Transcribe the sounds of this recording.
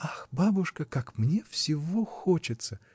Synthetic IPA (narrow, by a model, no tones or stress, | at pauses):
axbabʊʂkəkakmnʲefsʲɪvoxot͡ɕɪt̪sə